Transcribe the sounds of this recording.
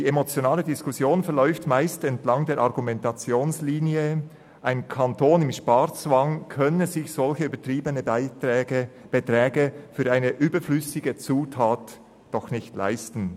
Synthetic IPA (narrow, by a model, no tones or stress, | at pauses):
d̥iːemot͡sjonaːlədɪskʊsjoːnfɛɐlɔʏftmaɪstɛntlɑŋdeːɐɾʔɑʁɡumɛntat͡sjoːnsliːniə | ʔaɪnkʰantʰoːnɪmʃpaɾt͡svaŋkʰœnənzɪçsɔlçəybəɐtʁiːbənə | b̥ətʁɛːɡəfyːɾʔaɪnəʔyːbəflʏsɪɡət͡suːtʰaːt | d̥ɔxnɪçtla̰ɪstn̩